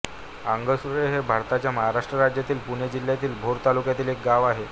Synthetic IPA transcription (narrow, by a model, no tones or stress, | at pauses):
aŋɡəsuɾeɦebʱaɾt̪at͡ɕjaməɦaɾaʂʈɾəɾad͡ʑjat̪iːlpuɳed͡ʑil̤ːjat̪iːlbʱoɾt̪alukjat̪iːlek̚ɡaʋaɦe